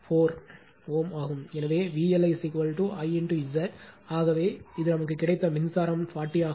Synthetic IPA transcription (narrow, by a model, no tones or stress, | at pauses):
foːɾ | oːmaːɣɯmɛnɐʋeːʋiːɛlɐɪsɪkʋɐlʈuʔɐjɪɳʈuɪzɐʈaːɣɐʋeːɪðɯnɐmɐkːɯkɪɽɐɪt̪ːɐmɪnsaːɾɐmpaːʈːɪjaː